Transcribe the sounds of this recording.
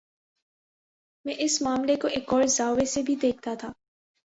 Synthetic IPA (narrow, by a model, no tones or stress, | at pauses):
mɛ̃ːʔɪsmaːmlekoʔeːkɔːɾzaːʋesebʱid̪eːk̚ʰt̪at̪ʰaː